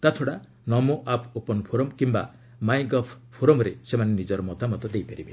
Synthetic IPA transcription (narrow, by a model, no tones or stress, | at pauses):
t̪at͡ʃʰɔɽa | nɔmoʔapʰupɔnpʰoɾɔmkimba̰ | majɡɔpʰpʰoɾɔmɔɾesemanenid͡ʒɔɾɔmɔt̪amɔt̪ɔd̪ejpaɾibe